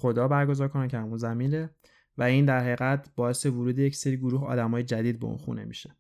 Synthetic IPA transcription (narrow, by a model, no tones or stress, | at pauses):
xo̞d̪ɒːbæɾɡo̞zɒːɾkʰo̞næcʰehæmunzæminɾe | væiːnd̪æɾheɣæt̪ʰbɒːe̞sevuɾuːd̪ejecʰseɾiːɡoɾuːɦɒ̰ːd̪æmɒːjed͡ʒæd̪iːd̪̚beṵnxṵne̞̰mḭʃe̥